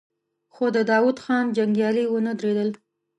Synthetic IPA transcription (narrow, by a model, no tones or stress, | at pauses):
xod̪əd̪ɑwud̪xɑnd͡ʒaŋɡjɑliwənəd̪ɾed̪əl